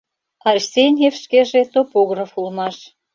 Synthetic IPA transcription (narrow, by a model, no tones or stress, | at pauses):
ɑrʲsʲenʲefʃkeʒet̪opoɣrɑfulmɑʃ